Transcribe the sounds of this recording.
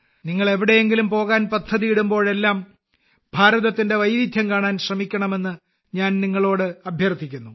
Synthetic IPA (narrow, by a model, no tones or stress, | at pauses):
niŋːɐɭe̞ʋiɽe̞jeŋɡilumpo̞ːɣaːnpɐd̪ʱːɐðijiɽumbo̞ːɭe̞lːaːm | bʱaːɾɐðɐt̪ːinde̞ʋɐjɾid̪ʱjɐmkaːɳaːnɕrɐmikʲːɐɳɐme̞nːɨ | ɲaːnniŋːɐɭo̞ːɽɨɐbʱjɐrt̪ːikʲːunːu